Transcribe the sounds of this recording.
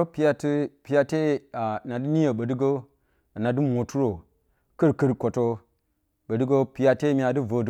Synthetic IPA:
o˦pi˦ja˨ti˦pi˨ja˨te˦a˨na˨di˦ni˦jo˨ɓə˨dɨ˦ɡo˦ | a˨na˨dɨ˦mo˨tu˦ɾo˨ | kə˦ɾkə˦ɾko˨to˦ | ɓə˨dɨ˦ɡo˦pi˨ja˨te˦mi˨a˨di˦vo˨d

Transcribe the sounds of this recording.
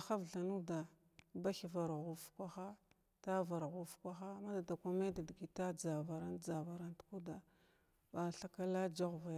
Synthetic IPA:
a˨xa˦vɬa˨nu˦da˨ | ba˦xi˨va˨ɾɣu˨fkʷa˦xa˦ | ta˦va˨ɾɣu˦fkʷa˦xa˦ma˦da˨da˨ka˦me˦da˨di˨ɡi˨ta˦d͡za˨va˨ɾa˦nd͡za˨va˨ɾa˦ntu̥˦ku˦da˨ | ba˨ɬa˦ka˦la˦d͡ʒa˦ɣva˨j

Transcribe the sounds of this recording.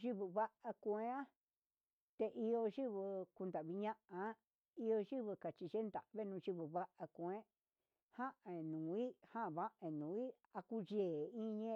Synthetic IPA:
ʒi˦βɨ˧βa˦ʔa˧kʷẽ˧˦ã˦ | t̪e˧ʔi˧o˧ʒi˦βɨ˧ku˧nd̪a˨βi˧ɲã˦ʔã˧˦ | i˧o˧ʒi˦βɨ˧ka˨t͡ʃi˧ʒe˦nd̪a˨ʔβe˦˧nũ˧ʒi˧βɨ˨βa˦ʔa˧kʷẽ˦ | hã˦ʔẽ˨nũ˨i˦hã˦˨βa˦ʔẽ˨nũː˨˦i˦ | a˧ku˧ʒe˨i˦ɲẽ˧

